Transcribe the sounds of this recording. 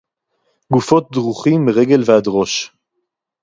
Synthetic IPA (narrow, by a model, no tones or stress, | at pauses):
ɡufo̞t̪̚d̪ʁuχimːiʁeɡelvead̪ʁo̞ʃ